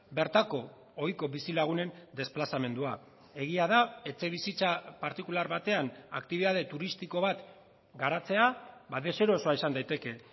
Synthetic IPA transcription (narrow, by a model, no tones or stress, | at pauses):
be̞ɾt̪ako̞ː | jko̞βisilaɣ̞une̞nd̪e̞splasame̞nd̪ua | e̞ɣ̞iaðae̞t͡se̞β̞isit͡sapaɾt̪ikulaɾβat̪e̞anakt̪iβiðaðe̞t̪uɾist̪iko̞βat̪ | ɡaɾat͡se̞abaðe̞se̞ɾo̞so̞aisand̪ajt̪e̞ke̞